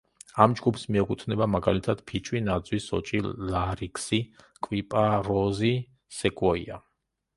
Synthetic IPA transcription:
amd͡ʒɡupsmiɛkʰʼut̪ʰnɛbamaɡalit̪ʰad̪̥pʰit͡ʃʼwinad̪zwisɔ̰t͡ʃʼilaɾikʰsi | kʼwipʼaɾɔzi | sɛkʼwɔḭa

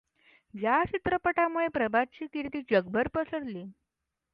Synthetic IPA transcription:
d͡ʑjat͡ɕit̪ɾəpəʈamuɭepɾəbad̚t͡ɕiːkiɾt̪iːd͡ʑəɡbʱəɾpəsəɽliː

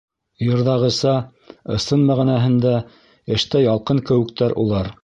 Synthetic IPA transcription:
jɤ̆ɾðɑʁɤ̆sɑ | ɤ̆sɤnmæʁinæɦɘ̆nd̪æ | ɘ̆ʃt̪æjɑlˠqɤŋkɘ̆wɘ̆kt̪æɾʔṵlˠɑɾ

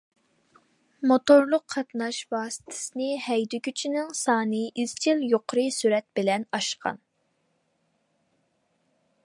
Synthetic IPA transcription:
mot̪oɾlˠʊqʰːɑt̪nɑʃvɑːsɨ̥t̪ʰɪ̥sɨnɪhɛjd̪ykʲyt͡ʃʰinɪŋsɑːnɨizt͡ʃʰɪljoqʰʊɾɨsyɾɛt̪̚bɪlɛnɑʃqɑ̰n

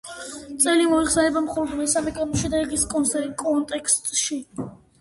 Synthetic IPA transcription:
t̪sʼɛlimɔiχsɛnɛbamχɔlˠɔd̪mɛsamɛkʼanɔʃɛd̪ɛɡiskʼɔnsɛkʼɔnt̪ʼɛkʰst̪ʼʃi

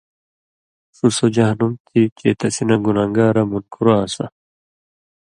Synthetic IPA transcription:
susod͡ʑɐɦɐnumt̪ʰit͡ɕeːt̪ɐsinɐɡunaːŋɡaːɾɐmunkʰuɾaːsɐ̰

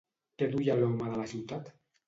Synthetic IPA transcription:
t̪eðujalomaðəlasiwt̪at̪

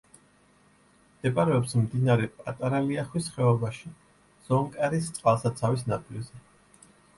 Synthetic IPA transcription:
d̪̥ɛpʼaɾɛɔpsmd̪inaɾɛpʼat̪ʼaɾaliaχwisχɛɔbaʃi | z̥ɔŋkʼɛɾist̪sʼqʼalˠsat̪sʰavis̬nap̪ʼilzɛ

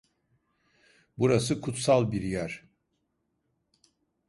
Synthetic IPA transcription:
buɾas̬ɯkʰut̪salˠbiɾjæɾ̥

